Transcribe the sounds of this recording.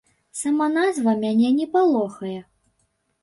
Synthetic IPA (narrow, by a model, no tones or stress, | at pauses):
samanazvɐmʲanʲɛnʲɛpalˠɔxɐjɛ